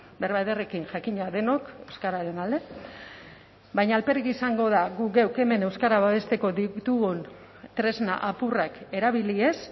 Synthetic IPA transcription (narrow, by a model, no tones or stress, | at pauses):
be̞rβaðere̞kinʝakiɲaðe̞no̞ke̞wskaɾaɾe̞nald̪e̞ | bajɲaːlpe̞rikisaŋɡo̞ð̞aɣuɡewke̞me̞ne̞wskaɾaβaβe̞st̪e̞ko̞ðit̪uɣon | t̪ɾe̞zna̰ʔapurake̞ɾaβ̞ilie̞s